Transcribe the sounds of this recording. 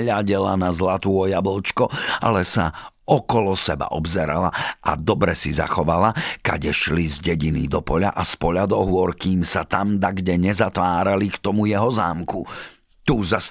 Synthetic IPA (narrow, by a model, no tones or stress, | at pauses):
ʎaɟɛlanazlat̪uɔjabɔlt͡ʃkɔa̰lɛsa | ɔkɔlɔsɛba̰ʔɔbzɛɾa̰laʔa̰d̪ɔbɾɛsiza̰xɔʋalaka̰ɟɛʃlizɟɛɟinḭd̪ɔpɔʎaʔaspɔʎad̪ɔɦʊɔɾkiːmsat̪amd̪aɡɟɛɲɛzat̪ʋaːɾalikt̪ɔmujɛɦɔza̰ːmku | t̪uːzas